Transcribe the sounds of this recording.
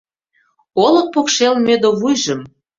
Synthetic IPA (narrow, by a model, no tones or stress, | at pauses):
olɤ̆k̚pokʃelmʲed̪oβujʒə̆m